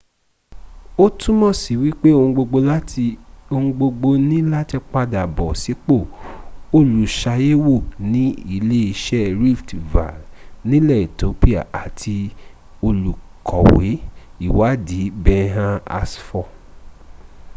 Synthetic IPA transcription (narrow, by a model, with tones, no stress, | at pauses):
o˦tũ˦mɔ̃˦˨si˨wi˦k͡pe˦o˧ũ˧ɡ͡bo˧ɡ͡bo˧la˦ti˧o˧ũ˧ɡ͡bo˧ɡ͡bo˧nĩ˦la˦tɛ˧k͡pa˧da˨bɔ˨si˨˦k͡po˦˨o˧lu˨ʃa˧je˦wo˦˨nĩ˨˦i˧˨le˦i˧ʃɛ˦ɾi˦˨ftva̰˨nĩ˦lɛ˦˨i˨to˨˦pi˦a̰˨ʔa˨tʰi˧ | o˧lu˨kʰɔ˨we˨˦i˦˨wa˨˦di˨˦bɛ̃˧ɦã˧a̰˧sfɔ˦˨